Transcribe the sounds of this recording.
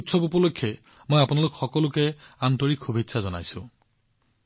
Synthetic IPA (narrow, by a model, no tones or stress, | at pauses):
tsɔpupɔlokʰːɛ | mojapunalʊkxɔkɔlʊkɛantɔɹikxubʱitsʰazɔna̰jsʊ̃